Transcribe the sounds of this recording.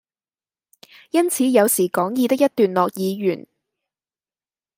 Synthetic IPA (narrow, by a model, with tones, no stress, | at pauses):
jɐ˥nt͡sʰiː˨˧jɐ˨˧wsiː˨˩kɔː˨˥ŋjiː˨˧t̪ɪ˥k̚jɐ˥t̚t̪yː˨nlɔː˨k̚jiː˨˧jyː˨˩n